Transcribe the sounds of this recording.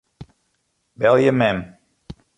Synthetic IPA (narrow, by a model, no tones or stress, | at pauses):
bɛlˠjəmɛm